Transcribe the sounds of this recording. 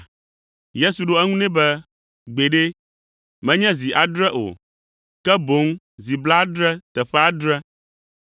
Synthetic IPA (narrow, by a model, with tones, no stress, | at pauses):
je˦su˨ɖo˦ɛ˦ŋũ˦nɛ̃˦bɛ˦ | ɡ͡be˨ɖe˦ | mɛ̃˦ɲɛ̃˦zi˨ʔa˨d̪ɾɛ˦ʔo̰˨ | kɛ˦bo˨˦ŋ | zi˨bla˦d̪ɾɛ˦t̪ɛ˨ɸɛ˦a˦d̪ɾɛ˦